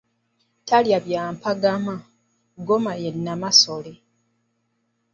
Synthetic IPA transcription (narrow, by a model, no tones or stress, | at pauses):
taljaβjaːmpaɡama | ɡomajenːamasole